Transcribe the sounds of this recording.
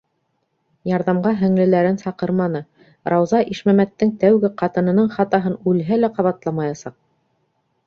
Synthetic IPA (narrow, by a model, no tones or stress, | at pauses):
jɑɾðɑmɢɑɦɘ̆ŋlɘ̆læɾɘnsɑqɤɾmɑnɤ | ɾɑwzɑʔiʃmæmæt̪ːɘŋt̪æwɡɘqɑt̪ɤ̆nɤ̆nɤɴχɑt̪ɑɦɤnʉlɦælæqɑβɑt̪lˠɑmɑjɑsɑq̚